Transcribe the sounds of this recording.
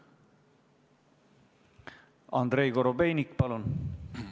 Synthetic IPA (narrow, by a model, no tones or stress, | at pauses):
ɑnd̪̥ɾejkoɾobe̞jnʲikːpɑlun